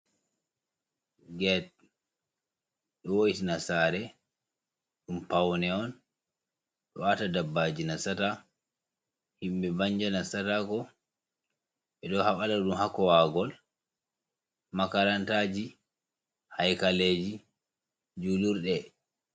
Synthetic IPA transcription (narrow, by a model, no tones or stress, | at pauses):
ɡɛt̚ | ɗɔwoitinasaːɾɛ | ɗumpawnɛɔn | ɗɔwatadabːad͡ʒinasata | himbɛbaɲd͡ʒanasatakɔ | ɓɛɗɔhaɓalaɗumhakɔwaɡɔl | makaɾantaːd͡ʒi | hajkaleːd͡ʒi | d͡ʒuluɾɗɛ